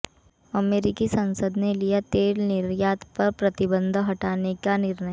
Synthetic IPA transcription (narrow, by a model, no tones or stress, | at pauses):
ɐmeːɾɪkisɐ̃nsəd̪nelijat̪eːlnɪɾjaːt̪pɐɾpɾɐt̪ɪbə̃nd̪ʱɦɐʈaːnekanɪɾnəj